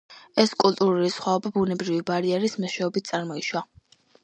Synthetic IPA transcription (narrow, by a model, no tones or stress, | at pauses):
ɛskʼulˠt̪ʼuɾulisχwaɔbabunɛbɾivibaɾiɛɾismɔʃwɛɔbit̪̚ʰt̪sʼaɾmɔiʃwa